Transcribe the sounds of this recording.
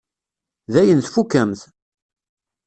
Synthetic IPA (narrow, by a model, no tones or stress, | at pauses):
ðæjənθfukːæmθ